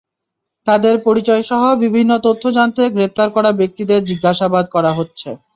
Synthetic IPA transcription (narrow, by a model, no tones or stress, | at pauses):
t̪ad̪eɾpoɾit͡ɕɔeʃɔɦobibʱinːot̪ot̪ʰːod͡ʑant̪eɡɾep̚t̪aɾkɔɾabek̚t̪id̪eɾd͡ʑiɡːaʃabad̪kɔɾaɦotːɕʰe